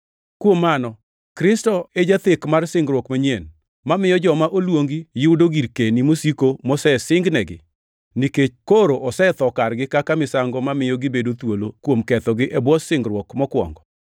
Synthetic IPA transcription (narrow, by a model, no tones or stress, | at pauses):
kwomːanɔ | kɾɪstɔed͡ʒat̪ɪkmarsɪŋɡɾwɔkmaɲen | mamɪjɔd͡ʒɔmaʔolwoŋɡijɪʊdoɡiɾkenimosikomɔsɛsɪŋɡnɛɡɪ̰ | niket͡ʃkoɾoʔɔsɛt̪ɔkaɾɡɪkakamɪsaŋɡɔmamɪjɔɡɪbedot̪wolokwomkɛt̪ɔɡɪʔɛbwɔsɪŋɡɾwɔkmɔkwɔ̰ŋɡɔ